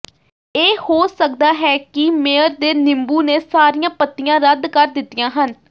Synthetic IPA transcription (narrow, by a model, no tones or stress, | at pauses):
eːhoːsəkd̪aːɦɛːkɪmeːəɾd̪eːnɪmbuːneːsaːɾijãːpət̪ːɪjãːɾəd̪kəɾd̪ɪt̪ːɪjãːɦən